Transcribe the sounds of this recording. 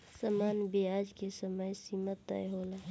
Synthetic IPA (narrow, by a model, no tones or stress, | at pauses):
səmaːnbead͡ʒkesəməjsimət̪ːə̰jɦoːla